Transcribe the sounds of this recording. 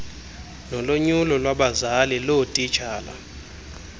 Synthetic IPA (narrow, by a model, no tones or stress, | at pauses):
nɔloɲulɔlwaɓazalilotʼit͡ʃʰaːla̰